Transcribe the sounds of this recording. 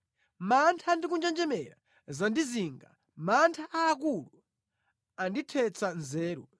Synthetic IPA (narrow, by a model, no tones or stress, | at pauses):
mantʰaːndik̬und͡ʒand͡ʒɛmɛɾa̰ | zandiziːŋɡa̰ | mantʰaʔaːk̬ulu | anditʰɛt͡sanzɛːɾu